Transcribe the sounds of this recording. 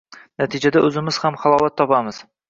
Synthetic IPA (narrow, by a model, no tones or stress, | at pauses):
nat̪ʰɪd͡ʒad̪aʔɵzɪmɪz̥hamχɑlˠɒwat̪ʰːɒpamɪz̥